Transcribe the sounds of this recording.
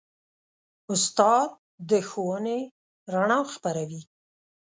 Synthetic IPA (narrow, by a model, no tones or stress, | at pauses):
ʊst̪ɑd̪̚ | d̪əxowəne | ɾaɳɑxpaɾawi